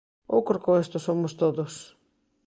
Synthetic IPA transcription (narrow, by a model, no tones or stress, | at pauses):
owkɾokoest̪ʊsomʊst̪oðʊs